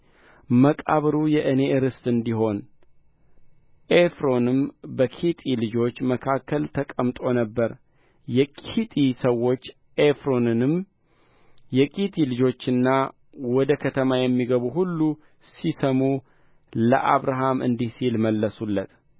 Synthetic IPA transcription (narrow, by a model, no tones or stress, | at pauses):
məkʼa̰βɨɾujɛʔɨne̞ʔɨɾɨst̪ʼɨnd̪iɦo̞n | ʔefɾo̞nɨmbəkʰit̪ʼilɨd͡ʒo̞t͡ʃːməkʰakːəlt̪ʰəkʼəmt̪ʼo̞nəbːəɾ | jɛkʼit̪ʼisəwːo̞t͡ʃː | ʔefɾonɨm | jɛkʼit̪ʰʼilɨd͡ʒo̞t͡ʃːɨnːa | wɔd̪əkʰət̪ʰəmajɛmːiɡəβuhulːu | sisəmu | lə̰ʔaβɾaɦamɨ̰nd̪isilməlːəsulːət̪